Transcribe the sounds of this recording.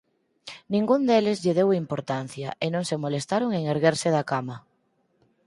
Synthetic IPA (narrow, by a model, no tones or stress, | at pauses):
nĩŋɡund̪elɪzʎɪðewimpoɾt̪an̟θjɐʔenõŋsemolest̪aɾoŋeŋeɾɣeɾsɪðakamɐ